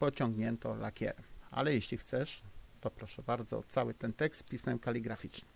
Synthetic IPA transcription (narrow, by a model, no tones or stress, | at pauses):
pɔt͡ɕɔŋɡɲɛnt̪ɔlakʲɛ̰ɾɛma̰lɛjeɕlʲixt̪sɛʂt̪ɔpɾɔʂɛbaɾd̪zɔ̰ːt̪sawɘt̪ɛnt̪ɛkst̪pʲismɛmkalʲiɡɾafʲit͡ʂnɘmm